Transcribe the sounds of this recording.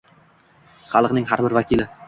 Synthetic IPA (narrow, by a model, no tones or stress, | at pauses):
χɑlˠɤqnɪŋɦaɾbɪɾvakʲilɪ